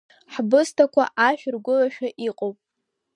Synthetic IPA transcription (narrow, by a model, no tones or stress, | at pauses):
ħbɨstʰakʷa̰ʔaʃᶣrɡʷʊlaʃᶣaʔiqʼowpʼ